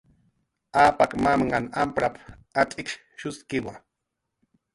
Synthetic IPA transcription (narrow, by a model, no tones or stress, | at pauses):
aːpakmamɢanampɾap | at̪ʼɪkʃ | ʃʊskɪwa